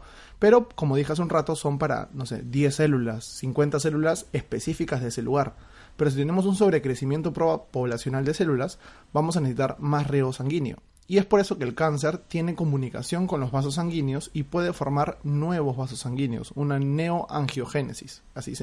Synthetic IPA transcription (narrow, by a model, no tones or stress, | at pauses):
pe̞ɾo̞ko̞mo̞ð̞ixas̬unrat̪o̞so̞mpaɾa̰no̞se̞̰ðje̞sːe̞lulasːiŋkwe̞nt̪ase̞lulase̞spe̞sifikazðe̞ese̞luɣ̞aɾ | pe̞ɾos̬it̪ene̞mo̞s̬unso̞β̞ɾe̞kɾe̞simje̞nt̪o̞pɾopo̞βlasjo̞nald̪e̞se̞lulas | bamos̬anesit̪aɾmasreosaŋɡinjo̞̰ | ie̞spo̞ɾe̞so̞ke̞ːlkans̬e̞ɾt̪je̞ne̞ko̞mũnika̰sjo̞ŋko̞nlo̞zβas̬os̬ːaŋɡinjo̞sipwe̞ð̞e̞fo̞ɾmaɾnwe̞β̞o̞zβas̬osːaŋɡinjo̞̰sunane̞oʔaŋxjo̞xe̞ne̞̰sis | asis